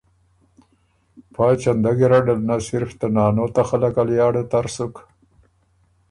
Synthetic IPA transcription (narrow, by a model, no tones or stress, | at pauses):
pɑːt͡ʃand̪aɡiɾaɖalnasɪɾft̪anɑːnoːt̪axalakaljɑːɽet̪aɾsuk